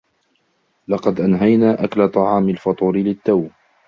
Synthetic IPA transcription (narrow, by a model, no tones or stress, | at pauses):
lɑqɑd̪ʔanɦajnaːʔaklat̪ˤɑʕɑːmɪlfɑt̪ˤuːɾɪlɪt̪ːaw